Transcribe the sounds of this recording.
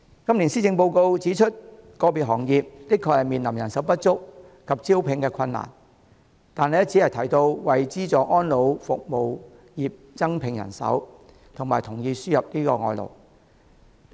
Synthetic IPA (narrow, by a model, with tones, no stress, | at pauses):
kɐ˥mli˨˩nsiː˥t͡sɪ˧ŋpo˧wko˧wt͡siː˨˥t͡ʃʰɵ˥t̚ | kɔː˧piː˨t̚ɦɔː˨˩ŋjiː˨p̚t̪ɪ˥kʰːɔː˧hɐ˨˩miː˨nlɐ˨˩mjɐ˨˩nsɐ˨˥wpɐ˥t̚t͡sʊ˥k̚ | kʰɐ˨p̚t͡siː˥wpʰɪ˨˧ŋkɛː˧kʷʰɐ˧nːa̰ː˨˩n | t̪aː˨ne˨˦˥t͡si˨˥hɐ˨jt̪ʰɐ˨˩jt̪o˧wwɐ˨jt͡siː˥t͡sɔː˨˧ʔɔː˥nlo˨˧wfʊ˨k̚mo˨w | jiː˨p̚t͡sɐ˥ŋpʰɪ˨ŋjɐ̰˨˩nsɐ̰˨˥w | t̪ʰʊ˨˩ŋmaː˨jt̪ʰʊ˨˩ŋjiː˧syː˥jɐ˨p̚niː˥kɔː˧ŋɔː˧jlo̰˨˩w